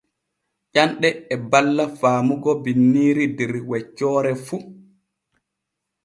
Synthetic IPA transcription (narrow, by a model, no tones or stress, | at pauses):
ʔanɗɛːbalːafaːmuɡɔbinːiːɾidɛɾwɛcːɔːɾɛfu